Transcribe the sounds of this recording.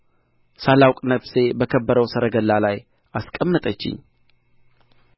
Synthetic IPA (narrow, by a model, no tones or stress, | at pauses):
salawkʼnəfse̞bəkʰəbːəɾəwsəɾəɡəlːalaj | askʼəmːət̪ʼət͡ʃːɪ̰ɲ